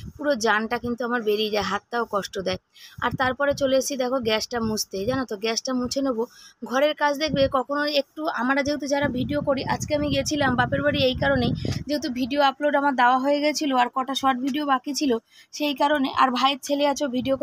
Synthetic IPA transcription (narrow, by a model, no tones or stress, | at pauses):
puɾod͡ʑanʈakint̪uamaɾbeɾid͡ʑaeɦat̪ːaokɔʃʈod̪ɛe | a̰ɾt̪aɾpɔɾet͡ɕoleet͡ɕʰid̪ɛkʰoɡɛsʈamud͡ʑt̪ed͡ʑanot̪oɡɛsʈamut͡ɕʰenoboɡʱɔɾeɾkat͡ɕʰd̪ekʰbekɔkʰonoek̚ʈua̰maɾad͡ʑeɦut̪ud͡ʑaɾabʱiɖiokoɾiʔad͡ʑkeamiɡiet͡ɕʰilambapeɾbaɽiejkaɾoned͡ʑeɦut̪ubʱiɖioaploɖamaɾd̪aoaɦoeɡit͡ɕʰiloaɾkɔʈaʃɔʈbʱiɖiobakit͡ɕʰilo | ʃejkaɾoneʔa̰ɾbʱajɾt͡ɕʰeleat͡ɕʰebʱiɖiok